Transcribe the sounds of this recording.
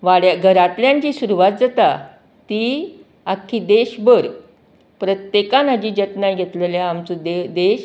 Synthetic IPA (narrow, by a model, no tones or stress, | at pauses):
ʋaɽjaɡʱəɾat̪ljãɲt͡ɕiːsuɾuʋat̪̚d͡zat̪a | t̪iː | akʰːiːd̪eɕbəɾ | pɾət̪jekanad͡ʑiːd͡ʑət̪najɡʱet̪leljaamt͡sud̪ed̪eɕ